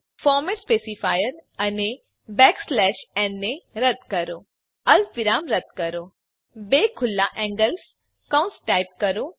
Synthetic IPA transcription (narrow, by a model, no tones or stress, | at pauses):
fɔːɾmɛʈspeːsifaːjəɾɐne | bɛːkslɛːʃɛnːeɾɐd̪kɐɾoː | ɐlʋɪɾaːmɾɐd̪̚kɐɾoː | beːkʰʊlːaʔɛ̃ːŋɡəls | kãʊ̃nsʈaːɪp̚kɐɾoː